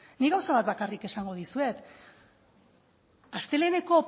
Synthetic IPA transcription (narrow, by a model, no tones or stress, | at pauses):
niɣawsaβat̪bakarike̞saŋɡo̞ð̞isue̞t̪ | ast̪e̞le̞ːne̞ko̞